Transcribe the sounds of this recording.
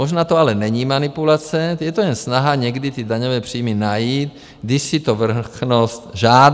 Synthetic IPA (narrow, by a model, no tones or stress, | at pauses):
moʒnaːt̪oalɛnɛɲiːmanipulat͡sɛjɛt̪ojɛnsnaɦaɲɛɡdit̪idaɲovɛːpr̝̥iːminajiːt̪ | ɡdɪʃsit̪ovr̩xnost̪ʒaː